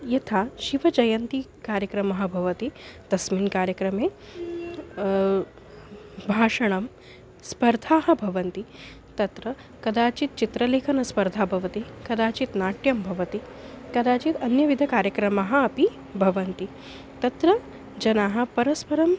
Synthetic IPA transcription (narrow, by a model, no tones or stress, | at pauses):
jɐt̪ʰaːʃiʋɐd͡ʒɐjɐnt̪ikaːɾjɐkɾɐmɐɦɐ̆bʱɐʋɐt̪id̪̥ɐsmiːnkaːɾjɐkɾɐmeː | bʱaːʂɐɳ̃ɐm | spɐɾd̪ʱaːɦɐ̆bʱɐʋɐnt̪i | t̪ɐt̪ɾɐ | kɐd̪aːt͡ʃit̪̚t͡ʃit̪ɾɐleːkʰɐnɐspɐɾd̪ʱaːbʱɐʋɐt̪ikɐd̪aːt͡ʃit̪naːʈjɐmbʱɐʋɐt̪i | kɐd̪aːt͡ʃit̪ɐnjɐʋid̪ʱɐkaːɾjɐkɾɐmaɦɐ̆ɐpi | bʱɐʋɐnt̪i | t̪ɐt̪ɾɐ | d͡ʒɐnaːɦɐ̆pɐɾɐspɐɾɐm